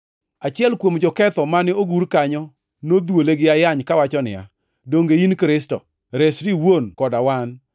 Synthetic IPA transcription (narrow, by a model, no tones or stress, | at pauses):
at͡ʃɪɛlkwomd͡ʒɔkɛt̪ɔmanɪoɡuɾkaɲɔ | nod̪woleɡɪajaɲkawat͡ʃɔnɪ̰a̰ | doŋɡeinkɾɪstɔ̰ | ɾesɾiwonkɔdawan